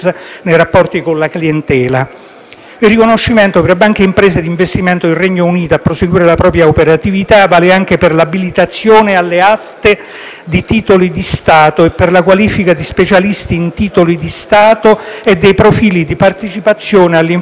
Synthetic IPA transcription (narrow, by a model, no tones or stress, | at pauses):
nejɾapːɔrt̪ikonlakliɛnt̪ɛːla | ilrikonoʃːiment̪opɾbaŋk̟eimpɾɛːzed̪iɱvest̪iment̪oilrːeɲːouniːt̪oapːɾoseɡwiːɾelapɾɔːp̬ɾjaopeɾat̪ivit̪avaːleaŋk̟eperlabilit̪at̪sːjoːnealːeast̪e | d̪it̪iːt̪olid̪ist̪aːt̪oepːerlakwaliːfikad̪ispet͡ʃalist̪iːnt̪iːt̪olid̪ist̪aːt̪oed̪ːejpɾofiːlid̪ipart̪et͡ʃipat̪sːjoːnealːiɱ